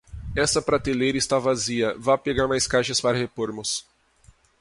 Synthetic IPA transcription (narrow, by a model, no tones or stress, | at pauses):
ɛsɐpɾat̪ilejɾɐɪst̪avaziɐvapeɡaɾmajskajʃɐspaɾɐhepoɾmʊs